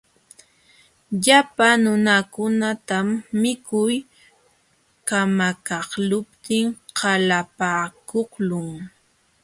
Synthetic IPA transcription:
ʎapanʊnakʊnat̪amːɪkʊj | kamakɑhlʊpt̪ɪŋhalapakohlʊŋ

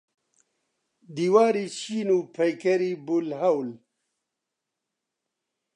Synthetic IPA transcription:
d̪iwaːɾiɕiːnupʰɐjkɐɾibulhawl

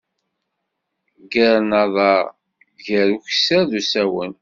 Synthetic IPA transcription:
ɡəɾnɑðˤɑ | ʝəɾuçsæðusæwən

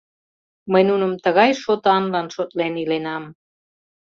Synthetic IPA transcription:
məjnunəmt̪əɣɑjʃot̪ɑnlɑnʃot̪lenilenɑm

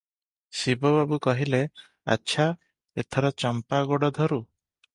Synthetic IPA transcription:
sibɔβabukɔɦile | a̰tːʃʰa | et̪ʰɔɾɔt͡ʃɔmpaɡoɽɔd̪ʱɔɾu

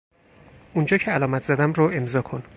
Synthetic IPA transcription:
und͡ʒɒːcʰeælɒːmæt̪ʰz̥æd̪æmɾoe̞mzɒːkʰon

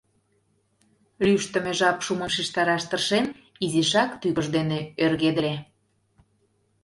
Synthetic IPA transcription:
lyʃt̪ə̆meʒɑpʃuməmʃiʃt̪ɑɾɑʃt̪ərʃen | iziʃɑkt̪yɣəʒd̪eneørɣed̪ə̆le

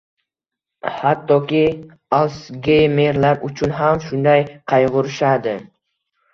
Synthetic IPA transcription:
hat̪ːɒkʲɪ | alsɡʲejmeɾlaɾʊt͡ʃʰʊnɦamʃʊnd̪ajqʰɑjʁʊɾɪʃad̪ɪ

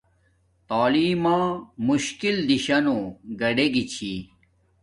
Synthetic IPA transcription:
t̪aːliːmãːmuɕkild̪iɕɐnõɡɐɖeɡit͡ɕʰi

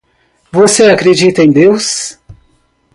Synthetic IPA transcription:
voseakɾed͡ʒit̪ɐẽj̃d̪ews

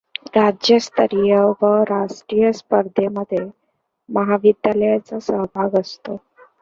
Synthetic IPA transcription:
ɾad͡ʑjəst̪əɾijəʋəɾaʂʈɾijəspəɾd̪ʱeməd̪ʱːje | məɦaʋid̪ʱjaləjat͡sasəɦbʱaɡəst̪o

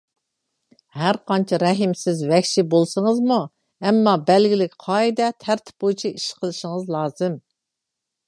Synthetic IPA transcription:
hæɾqʰɑnt͡ʃʰɛɾɛɦimsɪzvɛkʲʃibolˠsəŋəzmu | ɛmːɑbɛlɡʲilɪkʲqʰɑːid̪ɛt̪ʰæɾt̪ʰɪ̥p̚bojt͡ʃʰiiʃqʰəlˠɨʃɪŋəzlˠɑːzɨm

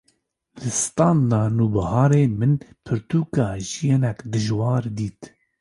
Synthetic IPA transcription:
lɨst̪ɑːnd̪ɑːnuːbɑhɑːɾeːmɨnpʰɨɾt̪ʰuːkɑːʒijenɛkd̪ɨʒwɑːɾd̪iːt̪

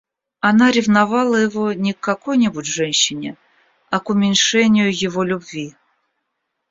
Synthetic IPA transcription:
ɐnaɾʲɪvnavalˠəjɪvonʲɪkːɐkojnʲɪbʊtʲʐɛnʲɕːɪnʲɪ | ɐkʊmʲɪnʲʂɛnʲɪjʊjɪvolʲʊbvʲi

